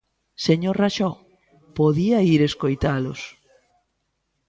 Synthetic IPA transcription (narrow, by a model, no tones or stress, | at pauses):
seɲoɾraʃɔ | poðiaiɾeskojt̪alʊ̰s